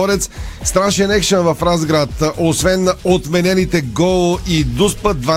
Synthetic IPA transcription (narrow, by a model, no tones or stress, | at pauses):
ɔɾɛt̪sst̪ɾaʃɛnɛkʃənvɐfɾazɡɾat̪ʔosvɛnot̪mɛnɛnit̪ɛɡɔlˠoʔid̪uspəd̪̚d̪va